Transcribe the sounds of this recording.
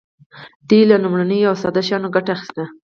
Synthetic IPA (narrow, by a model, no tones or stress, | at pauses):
d̪̥elalumɽanəjawsɑd̪aʃɑnoɡaʈaːxi̥st̪a